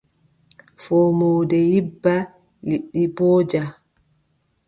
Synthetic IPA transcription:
fɔmoːdɛjibːa | liɗːibɔːd͡ʒa

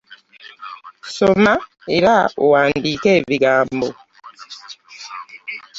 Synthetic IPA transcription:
soma | eɾao̰waːndiːkeːβiɡaːmbo

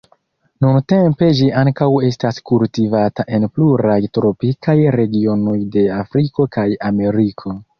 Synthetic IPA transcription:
nunte̞mpe̞d͡ʒiaŋkawe̞staskultivataʔe̞npluɾajtɾo̞pikajɾe̞ɡio̞no̞jde̞afɾiko̞kajame̞ɾikʰo̞

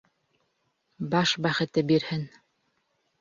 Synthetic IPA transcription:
bɑʃbæχɘ̆t̪ɘbiɾhɘn

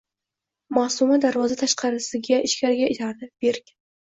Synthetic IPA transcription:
masʊmad̪aɾvɒzat̪ʰaʃqʰɑɾɪsɪɡʲaʔɪʃkʲaɾɡʲaɪt̪ʰaɾnɪpb̥eɾk̪ʲ

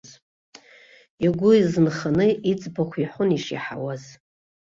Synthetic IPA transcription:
z | iɡʷʊizɨnχanɨit͡sʼbakʷʰiħʷʊniʂḭħawaz̥

